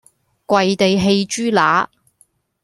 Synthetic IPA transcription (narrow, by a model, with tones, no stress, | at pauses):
kʷɐ˨jt̪e˨jɦe˧jt͡ʃyː˥laː˨˥